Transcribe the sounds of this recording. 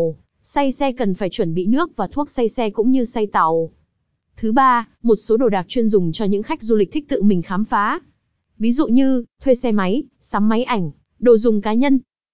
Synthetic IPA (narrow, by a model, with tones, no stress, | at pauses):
sa˧jsɛ˧kə˨˩nfaː˧˩jt͡ɕwə˧˩nɓḭ˧˨nɨ˦˥ək̚vaː˨˩t̪ʰu˦˥ək̚sa˧jsɛ˧kʊ̰˧˥ŋ͡mɲɨ˧sa˧jt̪a˨˩w | t̪ʰɨ˨˦ɓaː˧mo˨˩t̚so˨˦ɗo˨˩ɗaː˨˩k̚t͡ɕwi˧ənzʊ˨˩ŋ͡mt͡ɕɔ˧ɲɨ̰˧˥ŋxa˦˥k̚zu˧li˨˩k̟̚t̪ʰi˦˥k̚t̪ɨ̰˧˨mï˨˩ŋ̟xaː˨˦mfaː˨˦ | vi˨˦zṵ˧˨ɲɨ˧t̪ʰwe˧sɛ˧ma˨˦jsaː˨˦mːa˨˦jʔa˧˩jŋ̟ | ɗo˨˩zʊ˨˩ŋ͡mkaː˨˦ɲə˧n